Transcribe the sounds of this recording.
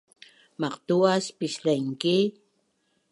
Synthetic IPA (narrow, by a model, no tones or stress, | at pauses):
mɑqt̪uaspɪʃlajŋkɪ